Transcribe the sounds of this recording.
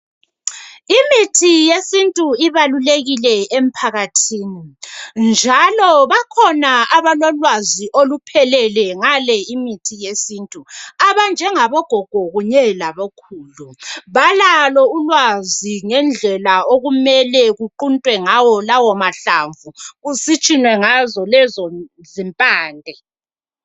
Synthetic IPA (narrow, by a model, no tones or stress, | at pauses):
imitʰijesintʼuiβaluleɣilɛem̩pʰaɣatʰiːnind͡ʒʱalɔβakʰɔnaaβalɔlwaziʔolupʰɛlɛlɛŋalɛimitʰijesintʼuaβand͡ʒʱɛŋaβɔɡ̥ʱɔɡ̥ʱɔɣuɲɛlaβokʰuːluβalalɔulwaziŋɛnd͡ɮʱɛlaoɣumɛlɛɣuǃuntʼwɛŋawɔlawɔmaɬaɱvuɣusit͡ʃʼinwɛŋazɔlɛzɔ | zimpʼaːndʱɛ